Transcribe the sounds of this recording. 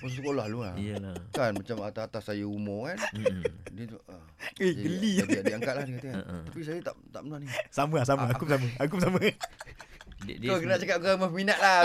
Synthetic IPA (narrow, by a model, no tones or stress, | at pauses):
us̬əkolahluaijəlakanmat͡ʃamat̪aat̪asːajəumokan | dəə | ehɡəliiaŋkat̪̚lahdikat̪əkaəapis̬ajət̪a̰ʔt̪a̰ʔmənahnisaməhs̬aməakʊp̚saməaɡʊp̚samə | dd̪okənaʔsakap̚kaməminaʔ̪la